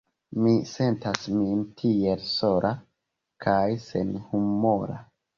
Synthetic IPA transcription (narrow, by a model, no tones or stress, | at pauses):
mise̞ntasmintʰie̞lso̞ɾʔa | kʰajse̞̰nhumoɾa̰